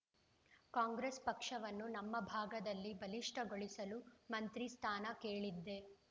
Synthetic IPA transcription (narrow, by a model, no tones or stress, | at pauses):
kaːŋɡɾespɐkʂɐʋɐnːunɐmːɐbʱaːɡɐd̪ɐlːibɐliʂʈʰɐɡoɭisɐlumɐnt̪ɾist̪ʰaːnɐkeːɭid̪ːe̞